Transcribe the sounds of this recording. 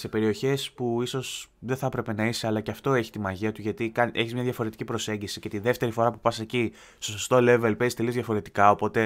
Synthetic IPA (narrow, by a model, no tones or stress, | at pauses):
se̞pe̞ɾioçe̞spuiso̞sðeθɐpɾe̞pe̞nɐise̞ɐlɐceɐft̪o̞e̞çi̥t̪imɐʝiɐt̪uʝɐt̪ikɐnʔe̞çizmɲɐðʝɐfo̞ɾe̞t̪i̥cipɾo̞se̞ɲɟisice̞t̪iðe̞ft̪e̞ɾifo̞ɾɐpupɐseci | st̪o̞so̞st̪o̞le̞velpezist̪e̞lizðʝɐfo̞ɾe̞t̪i̥kɐo̞po̞t̪e̞